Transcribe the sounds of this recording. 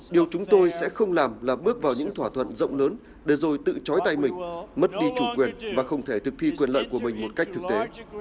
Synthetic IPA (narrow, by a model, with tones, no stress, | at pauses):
ɗi˨˩əwt͡ɕʊ˨˦ŋ͡mt̪o˧jsɛ̰˧˥xə˧wŋ͡mlaː˨˩mlaː˨˩ɓɨ˦˥ək̚vaː˨˩wɲɨ̰˧˥ŋt̪ʰwaː˧˩t̪ʰwə̰˧˨nzə̰˧˨wŋ͡mləː˨˦n | ɗe˧˩zo˨˩jt̪ɨ̰˧˨t͡ɕɔ˨˦jt̪a˧jmï˨˩ŋ̟mə˦˥t̚ɗi˧t͡ɕu˧˩kwi˨˩ənvaː˨˩xə˧wŋ͡mt̪ʰe˧˩t̪ʰɨ˨˩k̚t̪ʰi˧kwi˨˩ənlə̰ː˧˨jku˧˩əmï˨˩ŋ̟mo˨˩t̚ka˦˥jk̚t̪ɨ˨˩k̚t̪e˨˦